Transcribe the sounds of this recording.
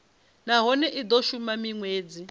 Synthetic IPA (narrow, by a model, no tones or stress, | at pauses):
naɦɔnɛʔid̪ɔʃumamiŋweːd͡zi